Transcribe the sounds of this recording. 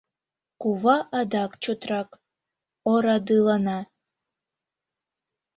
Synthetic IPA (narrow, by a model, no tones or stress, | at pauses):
kuvaʔadakʼt͡ʃʰotʰrakʼ | oɾadɨlana